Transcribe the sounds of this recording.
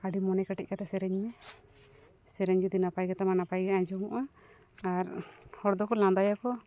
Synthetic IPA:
aɖimɔnɛkaʈɛc̚kat̪ɛsɛɾɛɲmɛ | sɛɾɛɲd͡ʒud̪inapajɡat̪amanapajɡaʔad͡ʒɔmuʔa | aɾhɔɾd̪ɔkɔlãd̪ajakɔ

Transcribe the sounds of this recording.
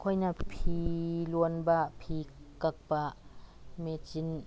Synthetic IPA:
kʰɔjnapʰiluənbaʔpʰiːkak̚baʔmet͡ʃin

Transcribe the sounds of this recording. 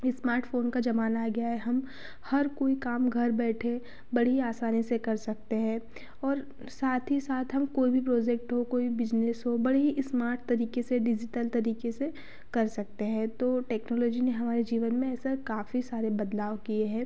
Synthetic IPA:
ɪsmaːɾʈfoːnkad͡ʒɐmaːnaɡɐjaɦɛɦɐm | hɐɾkoːikaːmɡʱɐɾbɛːʈʰe | bɐɽ̤iaːsaːnisekɐɾsɐk̚t̪eɦɛ̃ː | ɔːɾ | saːt̪ʰɦisaːt̪ʰɦɐmkoːibʱipɾɔːd͡ʒɛk̚ʈɦokoːibʱibɪd͡ʒnesɦobɐɽɦiʔɪsmaːɾʈ̚t̪ɐɾiːkeseɖɪd͡ʒɪʈəlt̪ɐɾiːkese | kɐɾsɐk̚t̪eɦɛ̃ːt̪oːʈɛːknɔːlɔːd͡ʒineɦɐmaːɾed͡ʒiːʋənmẽɛːsekaːfisaːɾebɐd̪laːʋkieɦɛ̃ː

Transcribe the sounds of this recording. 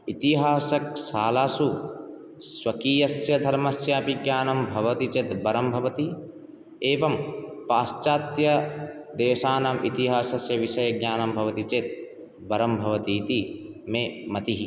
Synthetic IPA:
it̪iɦaːsɐk̚saːlaːsu | sʋɐkiːjɐsjɐd̪ʱɐɾmɐsjaːpiɡjaːnɐmbʱɐʋɐt̪it͡ʃet̪bɐɾɐmbʱɐʋɐt̪i | eːʋɐmpaːst͡ʃaːt̪jɐd̪eːʃaːnaːmit̪iɦaːsɐsjɐʋiʃɐjɐɡjaːnɐmbʱɐʋɐt̪it͡ʃeːt̪ | bɐɾɐmbʱɐʋɐt̪iːt̪imeːmɐt̪iɦi

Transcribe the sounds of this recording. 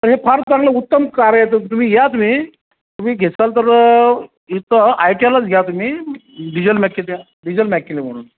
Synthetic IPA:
t̪əɾɦepʰaɾt͡saŋɡləut̪ːəmkaɾəjet̪ət̪um̤iːɡʱjat̪um̤iː | t̪um̤iːɡʱesalt̪̬əɾ | it̪ʰəajʈialət͡sɡʱjat̪um̤iːɖid͡ʑəlmɛkːet̪a | ɖid͡ʑəlmɛkːilem̤əɽ̃ṵːn

